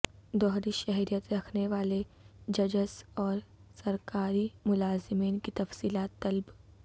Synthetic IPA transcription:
d̪ɔɦɾiʃɛɦɾijət̪ɾɐkʰneʋaːled͡ʒɐd͡ʒəsɔːɾsɐɾkaːɾimʊlaːzɪmiːnkit̪ɐfsiːlaːt̪ːɐlb

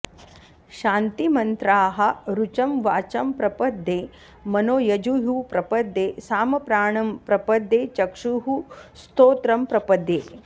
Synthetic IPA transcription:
ʃaːnt̪imɐnt̪ɾaːɦɐ̆ɾut͡ʃɐmʋaːt͡ʃɐmpɾɐpɐd̪ʱːeː | mɐnoːjɐd͡ʒuɦuːpɾɐpɐd̪ːeːsaːmɐpɾaːɳɐmpɾɐpɐd̪ːeːt͡ʃɐkʂuɦust̪oːt̪ɾɐmpɾɐpɐd̪ːeː

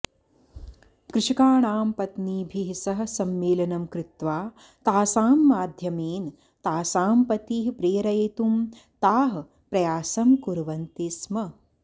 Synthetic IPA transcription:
kɾɪʂɐkaːɳaːmpɐt̪niːbʱiɦisɐɦɐ̆sɐmːeːlɐnɐmkɾɪt̪ʋaː | t̪aːsaːmːaːd̪ʱjɐmeːn | t̪aːsaːmpɐt̪iːɦpɾeːɾɐjet̪um | t̪aːɦɐ | pɾɐjaːsɐmkuɾʋɐnt̪ismɐ

